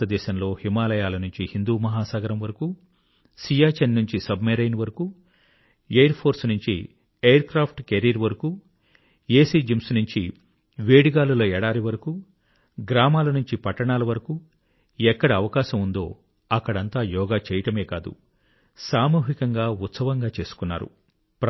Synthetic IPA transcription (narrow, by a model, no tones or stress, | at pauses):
ɐd̪ɛːʃɐmlo̞ːhimaːlɐjaːlɐnuɲt͡ʃihind̪uːmɐɦaːsaːɡɐɾɐmʋɐɾɐku | sijaːt͡ʃennuɲt͡ʃisɐbmeɾɐjnʋɐɾɐku | ejɐɾpʰo̞ːɾsnuɲt͡ʃḭ | ejɐɾkɾaːpʰʈkeɾiɾʋɐɾɐku | eːsiːd͡ʒimsnuɲt͡ʃi | ʋeːɽiɡaːluloːɛːɽaːɾiʋɐɾɐku | ɡɾaːmaːlɐnuɲt͡ʃipɐʈːɐɳaːlɐʋɐɾɐku | ɛkːɐɽɐːʋɐkaːʃɐmund̪o̞ː | ɐkːɐɽɐnt̪aːjɔːɡaːt͡ʃɛːjɐʈɐme̞ːkaːd̪ṵ | saːmuːɦikɐŋɡaːut̪sɐʋɐŋɡaːt͡ʃe̞ːsu̥kunːa̰ːɾṵ